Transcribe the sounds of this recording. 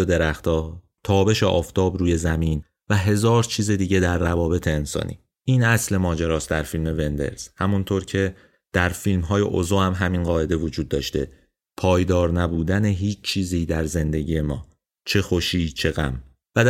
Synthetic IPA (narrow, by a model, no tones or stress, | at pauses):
od̪e̞ɾæxt̪ɒː | t̪ʰɒːbe̞ʃeʔɒːft̪ʰɒːbɾuːje̞zæmiːn | væɦe̞zɒːɾt͡ʃʰiːze̞d̪iːɟe̞d̪æɾːævɒːbe̞t̪ʰe̞ːnsɒ̰ːnʔḭː | ʔiːnæsle̞mɒːd͡ʒeɾɒːsd̪æɾfilme̞ve̞nd̪ḛɾz̥hæmunt̪ʰoːɾcʰe̞ | d̪̥æɾfilmɦɒːje̞̰ʔo̰zohæmɦæminɢɒːe̞d̪e̞vo̞d͡ʒuːd̪ːɒːʃt̪e̞̰ | pʰɒːjd̪ɒːɾnæbuːd̪æneɦiːt͡ʃt͡ʃʰiːziːd̪æɾze̞nd̪e̞ɟiːje̞mɒ̰ː | t͡ʃʰe̞xoʃiːt͡ʃʰe̞ɣæ̰m | væ